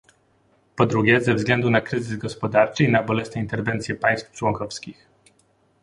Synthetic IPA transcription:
pɔd̪ɾuɡʲɛzɛvzɡlɛnd̪unakɾɘzɘzɡɔspɔd̪aɾt͡ʂɘinabɔlɛsnɛint̪ɛɾvɛnt̪sʲjɛpaj̃st̪ft͡ʂwɔŋkɔfskʲix

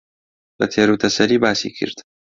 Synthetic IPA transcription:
bɐt̪ʰeːɾuːt̪ʰɐsɐɾiːbaːsḭːkʰɨ̰ɾd̪̥

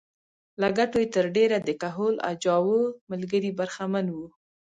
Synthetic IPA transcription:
laɡaʈojet̪əɾɖeɾad̪əkaɦola̰d͡ʒɑwoməlɡəɾibaɾxamanwu

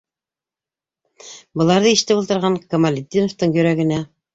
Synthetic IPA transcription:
bɤ̆lˠɑɾðɤiʃt̪ɘpulˠt̪ɤ̆ɾʁɑŋkomalʲɪd̪ʲːinoft̪ɤɴjɵ̆ɾæɡɘ̆næ

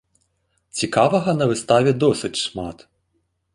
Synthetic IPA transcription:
t͡sʲikaʋɐɣɐnɐʋɨst̪aʋʲɛd̪ɔsɨt͡sʲʂmat̪

